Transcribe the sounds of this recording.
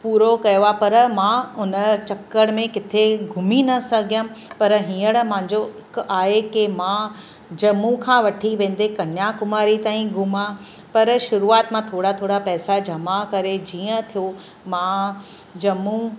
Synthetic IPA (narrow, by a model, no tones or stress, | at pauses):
puːɾokɐjoapɐɾmãːʊnə̆t͡ɕɐkːəɽ̃mẽkɪt̪ʰeɡʱʊminɐsɐɡʱjəpɐɾɦĩːəɽ̃mãɦɲd͡ʑoɦɪkaːɦekemã | d͡ʑɐmukʰãːʋɐʈʰiʋẽːn̆d̪ekɐnjakʊmaːɾit̪aːĩɡʱʊma | pɐɾʃʊɾuaːt̪mãt̪ʰoːɽat̪ʰoːɽapɛːsad͡ʑʱɐmakɐɾed͡ʑiːə̃t̪ʰijo | mã | d͡ʑɐmũ